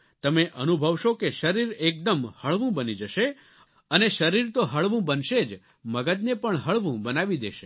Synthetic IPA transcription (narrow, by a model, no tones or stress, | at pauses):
t̪əmeʔənubʱəʋʃokeʃəɾiɾek̚d̪əmhəɭʋũbənid͡ʒəʃe | əneʃəɾiɾt̪oɦəɭʋũbənʃed͡ʒ | məɡəd̪̚nepəɳɦəɭʋũbənaʋid̪ḛʃe